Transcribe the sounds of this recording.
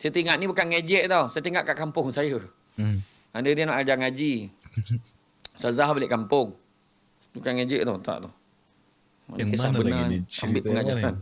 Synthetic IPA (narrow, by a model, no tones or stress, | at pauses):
sajət̪iŋaʔnibukanŋed͡ʒɛʔt̪awsajət̪iŋaʔkaʔkampʊŋsajə | andədinaʔad͡ʒaŋad͡ʒi | sazaɦbalɪʔkampʊŋ | dbukanŋed͡ʒɛʔt̪awt̪a̰ʔt̪uh | ikisahbənaambɪʔpəŋad͡ʒakan